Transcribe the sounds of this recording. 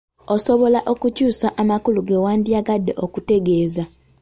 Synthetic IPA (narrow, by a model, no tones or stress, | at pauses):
oso̞βo̞laʔo̞kucuːsaʔamakuluɡewaːndjaɡadːḛʔokute̞ɡe̞ːza